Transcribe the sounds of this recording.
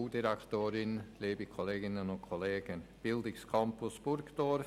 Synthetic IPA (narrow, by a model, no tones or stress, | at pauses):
uːd̪ɪɾakt̪øːɾɪnleːbɪkʰɔleːɡɪnənɔkʰɔleːɡənb̥ɪld̪ɪkskʰɔmpʊsb̥ʊɾkd̪̥oːɾ